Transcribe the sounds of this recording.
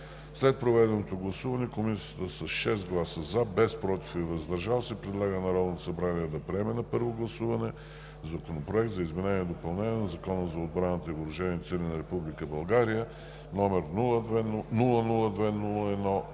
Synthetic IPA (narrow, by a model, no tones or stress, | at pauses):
slɛt̪̚pɾovɛd̪ɛnot̪oɡlˠɐsuvɐnɛkomisiət̪əsɐsʃɛst̪ɡlˠasəzabɛspɾɔt̪i̥fɛvɐzd̪ɐɾʒalˠsɛipɾɛd̪lˠaɡənɐɾɔd̪not̪osɐbɾaniɛd̪ɐpɾiɛmɛnɐpɤɾvoɡlˠɐsuvɐnɛ | zɐkonopɾoɛk̚t̪zɐizmɛnɛniɛd̪opɐlˠnɛnʲiɛnɐzɐkɔnəzɐod̪bɾanɐt̪əivoɾʊʒɛnit̪sɛlʲinɐɾɛpublikəbɐlˠɡaɾijə | nɔmɛɾnlˠəɛnulˠənulˠəd̪vɛnulˠəɛd̪nɔ